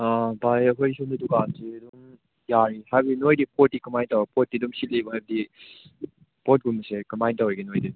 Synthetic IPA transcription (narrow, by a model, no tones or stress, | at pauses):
abajɐɦʰojsumdɐdukansiduŋ | jaɾihajbɐdinojdipʰot̚ːikɐmajntawepʰot̚ːiduŋsit̚lebɐɦajbɐdi | pot̚ɡunmɐsekɐmajntaweɡenojdi